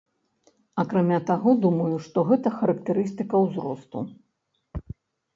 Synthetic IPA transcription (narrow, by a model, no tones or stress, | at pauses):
ɐkɾamʲat̪aɣɔd̪umɐjuʂt̪ɔɣɛt̪ɐxɐɾɐkt̪ɛɾɨst̪ɨkɐwzɾɔst̪ṵ